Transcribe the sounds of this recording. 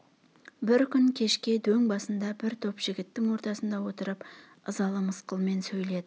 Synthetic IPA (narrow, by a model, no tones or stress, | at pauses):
bɪɾkʲʰʏŋkʲʰe̞ʃkʲe̞d̪ɵŋbɑsənd̪ɑbɪɾt̪ʰo̞pʒ̥ɪɡʲɪt̪ːɪŋwo̞ɾt̪ɑsənd̪ɑwo̞t̪əɾəp | əzɑlˠəməsqəlˠme̞nsɵjle̞d̪ɪ